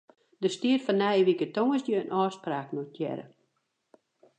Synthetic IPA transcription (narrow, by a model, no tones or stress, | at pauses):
dəstiərfɔnːɛjʋikətoŋəsjəənʔɔːspraːknot̚jɛ̰ɾə̰